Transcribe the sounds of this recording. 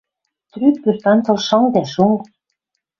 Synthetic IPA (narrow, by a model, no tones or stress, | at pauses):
t̪ryk̚pyrt̪ɑnt̪ɤ̆lʃɤ̆ŋd̪æʃuŋ